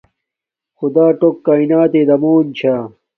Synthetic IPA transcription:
xud̪aːʈokːaːinaːt̪eːd̪ɐmoːnt͡ɕʰaː

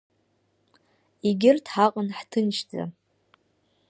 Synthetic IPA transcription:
iɡʲɪrtʰħaqʼənħtʰɨnt͡ʃʰd͡za̰

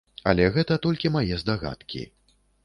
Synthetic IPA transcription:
ɐ̰lʲɛɣɛt̪ɐt̪ɔlʲkʲimajɛzd̪aɣa̰t̪kʲḭ

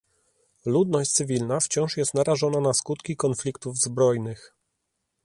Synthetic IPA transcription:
lud̪nɔɕ̚ʲt̪sɘvʲilnaft͡ɕɔ̃w̃ʂjɛst̪naɾaʐɔnanaskut̪kʲikɔnflʲikt̪uvzbɾɔjnɘx

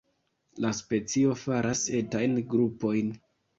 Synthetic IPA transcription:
laspe̞t͡sio̞faɾʔase̞tajnɡɾupo̞jn

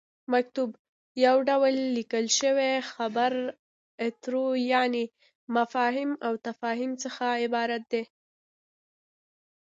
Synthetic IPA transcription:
mak̚t̪ub | jawɖawəlːikəlʃəwexabaɾ | ɪt̪ɾojɑni | mafɑɦɪmawt̪afɑɦimt͡səxaɪbɑɾat̪̚d̪e

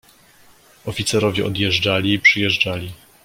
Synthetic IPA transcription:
ɔfʲit̪sɛɾɔvʲjɛɔd̪jɛʐd͡ʐalʲiːpʂɘjɛʐd͡ʐalʲi

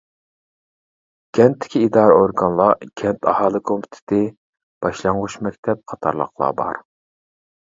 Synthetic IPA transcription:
ɡ̥ʲɛnt̪ʰːɪ̥kʲiːd̪ɑːɾɛoɾɡɑnlˠɑɡ̥ʲʰɛnt̪ʰɑhɑːlˠɨkʰompʰy̥t̪ʰɪ̥t̪ʰɪ | b̥ɑʃlˠɑɴʁuʃmɛkʲt̪ʰɛp̚qʰɑt̪ʰɑ̰ɾlˠə̰qlˠɑ̰bɑ̰ɾ

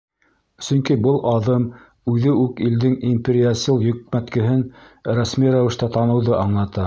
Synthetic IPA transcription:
sɵŋkibɤlˠʔɑðɤm | ʉðɘʉkild̪ɘŋimʲpʲɪɾʲiasʲilˠjɵ̆k̚mæt̪kɘ̆ɦɘn | ɾæsmiɾæwɘ̆ʃt̪ɑt̪ɑnɤ̆wðɤʔɑɴlˠɑt̪ɑ

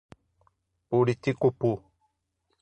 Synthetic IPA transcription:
politikopo

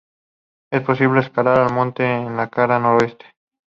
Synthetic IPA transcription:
e̞spo̞siβleːskalaɾalmõnt̪eːnlakaɾanoɾoe̞st̪e̥

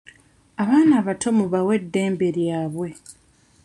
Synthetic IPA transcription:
aβaːnaːβatʰo̞muβawe̞dːe̞ːmbe̞ɾjaːβwe̞

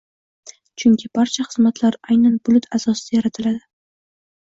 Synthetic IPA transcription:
t͡ʃʰʊŋkʲʰɪbaɾt͡ʃʰaχɨzmat̪ʰlaɾajnanbʊlʊt̪ʰasɒsɪd̪ajaɾat̪ʰɪlad̪ɪ

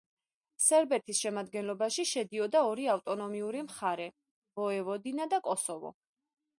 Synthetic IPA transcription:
sɛɾbɛt̪ʰisʃɛmad̪ɡɛnlɔbaʃiʃɛd̪iɔd̪aɔɾiaft̪ʼɔnɔmiuɾimχaɾɛ | v̥ɔɛvɔd̪inad̪akʼɔsɔvɔ̰

